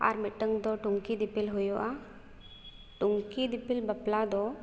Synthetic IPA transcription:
a̰ɾmiʈəŋd̪ɔʈuŋkid̪ipilɦʊjɔʔa | ʈuŋkid̪ipilbəplad̪ɔ

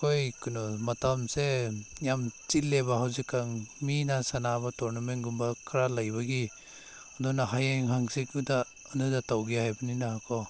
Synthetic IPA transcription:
kojkɯnɔmatamsejamt͡ʃilːebaɦawzikːaŋminasanabatɔɾnamenɡumbakʰaɾalajbaɡi | ɔndɔnaɦajeŋɦaŋsik̚udaː | ndɯdatawɡijhajbaninaɦakʰɔ

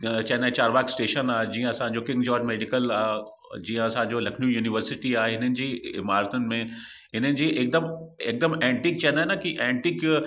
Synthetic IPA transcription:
t͡ɕɐɦɪ̃nd̪aːẽt͡ɕaːɾʋaːksʈeːʃənaːɦed͡ʑĩːə̃ɐsãːɲ̆d͡ʑoːkɪ̃ŋɡd͡ʑɔːɾd͡ʑmeːɖɪkəlaː | d͡ʑĩːə̃ɐsãːɲ̆d͡ʑolɐkʰnjũjuːnɪʋəɾsɪʈiaːɦeɦɪnənɪ̆d͡ʑiːɪ̰maːɾt̪ʊnɪ̆mẽ | ɦɪnənɪ̆d͡ʑiːʔeːk̚d̪əmeːk̚d̪əmɛ̃ːɳʈiːk̚t͡ɕɐ̃ɦɪ̃nd̪aɦenakiʔɛ̃ːɳʈiːk

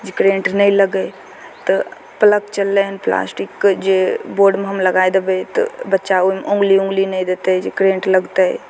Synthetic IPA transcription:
d͡ʒikɾẽːɳʈnəĩləɡə | t̪ə | pələkt͡ʃəlːeɦənpla̰ːsʈɪkːd͡ʒeboːɾɖmeɦəmləɡaed̪ebet̪ɔ̰bətːʃaomʔʊ̃ŋɡliʊ̃ŋɡlinəĩd̪eːt̪eɦd͡ʒikɾẽːɳʈləɡt̪eɦɛ̰

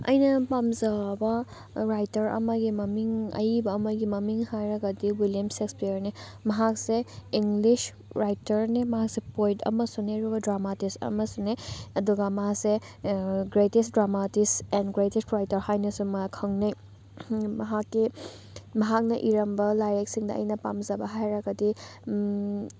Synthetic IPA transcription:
ɐ̰jnɐpamzabɐ | ɾajtɐɾɐ̰mɐɡimɐmiŋɐ̰jbɐːmɐɡimɐmiŋhajɾɐɡɐdiwiljɐmsekspejɐɾne | mɐɦakseiŋlis | ɾajtɐɾnemɐɦak̚sepojtʰɐ̰mɐsuneɾubɐdɾamatisɐ̰mɐsuneɐduɡamɐɦakse | ɡɾetesdɾamatisenɡɾetestɾajtɐɾhajnɐsumɐkʰɐŋwnɐj | mɐɦakːi | mɐɦak̚nɐʔiɾɐmbɐlajɾeksiŋdɐɐ̰jnɐpamzɐbɐɦajɾɐɡɐdi

